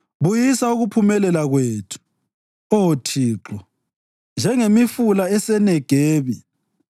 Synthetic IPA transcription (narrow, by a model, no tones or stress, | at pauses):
βujisauɣupʰumɛlɛlaɣweːtʰu̥ | ɔotʰiːǁɔ | nd͡ʒʱɛŋemifulaɛsɛnɛɡ̥ʱeːβi